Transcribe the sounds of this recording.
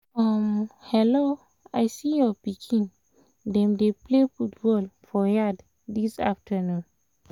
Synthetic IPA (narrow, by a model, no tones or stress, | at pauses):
amhɛlo | ajsijɔpikʰĩn | dɛ̃mdeplefut̚bɔlfɔjad | disa̰ftʰənũn